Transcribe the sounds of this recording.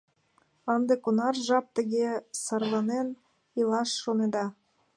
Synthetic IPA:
ɑnd̪ekonɑrʒɑp̚t̪əɣesɑrlˠɑnen | ilɑʃːoned̪ɑ

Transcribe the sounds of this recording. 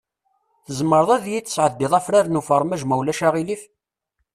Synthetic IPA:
θəzmːəɾðˤæðjit͡sːəsʕəd̪ːɪðˤæfɾaɾnufəɾˤmæʒmæwlæʃæʁilif

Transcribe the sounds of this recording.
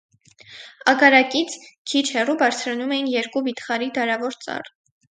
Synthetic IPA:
ɑkɑɾɑkit͡sʰkʰit͡ʃʰhɛrubɑɾt͡sʰɾɑnumɛjinjɛɾkubit̪χɑɾid̪ɑɾɑvɔɾt͡sɑ̰r

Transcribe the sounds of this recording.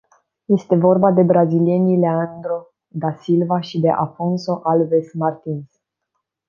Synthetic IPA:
je̞st̪e̞vo̞rbad̪e̞bɾazilie̞nileand̪ɾo | d̪asilvaʃid̪e̞ʔafo̞nso̞ʔalvesmart̪ins

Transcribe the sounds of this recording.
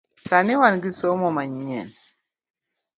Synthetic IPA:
saniwanɡisɔmɔmaɲɲɛ̰n

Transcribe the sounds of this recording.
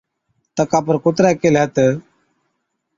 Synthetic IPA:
t̪əkaːp̬əɾkʊt̪ɾɛːkeːlɦət̪ə

